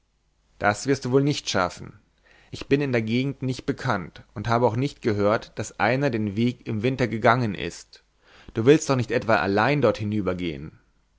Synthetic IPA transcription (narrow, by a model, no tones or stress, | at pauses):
d̥asv̥ɪɐst̚d̥uːvoːlnɪçtʃa̰fn̩ | ʔɪçb̥ɪnɪndeːɐɡeːɡŋ̩tnɪçt̚b̥əkʰantʔʊnthaːbəaʊxnɪçtɡ̥əɦøːɐtd̥asʔaɪnɐdeːnveːkɪmvɪntɐɡəɡaŋənʔɪ̰st | d̥uːvɪlst̚d̥ɔχnɪçtʔɛtv̥aːʔa̰laɪndɔɐthɪnyːbɐɡḛːə̰n